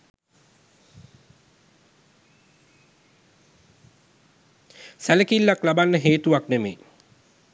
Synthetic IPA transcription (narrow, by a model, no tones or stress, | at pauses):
sæləkilːaklabanːəɦeːt̪uʋaknemḛː